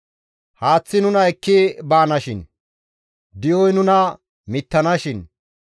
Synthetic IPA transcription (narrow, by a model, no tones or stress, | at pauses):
haːt͡sːɪnʊnɐɛkːɪbaːnɐʃɪn | d̪ɪjɔjnʊnɐ | mɪt̪ːɐnɐʃɪn